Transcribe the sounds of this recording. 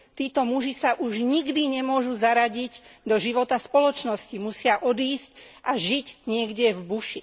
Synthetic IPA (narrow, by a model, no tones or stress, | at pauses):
t̪iːt̪ɔmuʒisaʔuʒɲiɡd̪iɲɛmʊɔʒuzaɾaɟiɟd̪ɔʒiʋɔt̪aspɔlɔt͡ʃnɔscimusɪaʔɔd̪iːscʔaʒiɟɲɪɛɡɟɛvbuʃi